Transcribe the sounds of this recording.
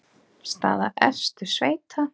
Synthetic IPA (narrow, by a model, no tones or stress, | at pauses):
st̪a̰ːðaʔɛst̪ʏsveːjt̪ʰa